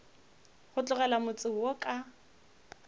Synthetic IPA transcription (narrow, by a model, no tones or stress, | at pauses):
χʊt͡ɬʼʊɣɛlamʊt͡sʼɪwokʼa